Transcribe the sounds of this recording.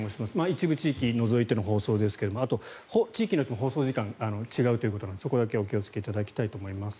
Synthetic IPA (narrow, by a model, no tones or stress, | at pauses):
oɕimasɨ̥mait͡ɕibɯ̟t͡ɕiːkʲino̞zo̞it̪e̞noɦo̞ːso̞ːd̪e̞sɨ̥ke̞d̪o̞moat̪o̞hot͡ɕiːkʲiɲjot̪ːemoɦo̞ːso̞ːʑikãŋanot͡ɕiɡaɯ̟t̪oiɯ̟ko̞t̪onãnd̪esokod̪ake̞o̞k̬ʲio̞t͡sɨ̥ke̞it̪ad̪akʲi̥t̪ait̪o̞ːmo̞imasɨ̥